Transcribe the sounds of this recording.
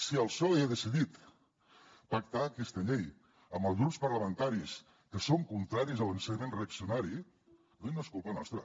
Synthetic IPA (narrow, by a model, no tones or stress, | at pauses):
siəlˠsɔleaðəsiðit̪ | pak̚t̪aːkɛst̪əʎej | əmbəlzɣɾupspəɾləmənt̪aɾis | kəsoŋkunt̪ɾaɾizəlˠənsəɲəmenreəksiunaɾi | d̪ujnoskulˠpənɔ̰st̪ɾə